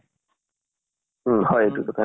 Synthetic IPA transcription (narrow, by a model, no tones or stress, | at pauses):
hɔjetukɔt̪ʰa